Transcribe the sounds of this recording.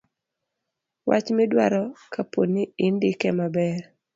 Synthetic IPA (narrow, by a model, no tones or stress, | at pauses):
wa̰t͡ʃmɛdwaɾɔkʰaponːiɪndɪkɛmabɛr